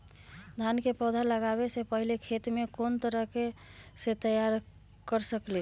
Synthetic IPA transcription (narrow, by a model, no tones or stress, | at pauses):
d̪ʱankepɔd̪ʱaləɡaβesepəɦilekʰet̪mekont̪əɾəɦkeset̪əjaɾ | kəɾsəkle